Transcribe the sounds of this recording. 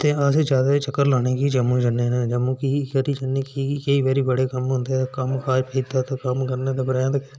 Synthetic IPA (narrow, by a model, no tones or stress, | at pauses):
t̪eːased͡ʒaːd̪eːt͡ʃəkːəɾlaːneːkid͡ʒəmũːd͡ʒənːeːnãːd͡ʒəmũːkikəɾiːd͡ʒənːeːkiːkəiːʋɛːɾiːbəɽeːkəmɦõːnd̪eːɛkəmkaːd͡ʒpʰeːt̪aːt̪okəmkəɾneːd̪eːbəɾaːjãːt̪ək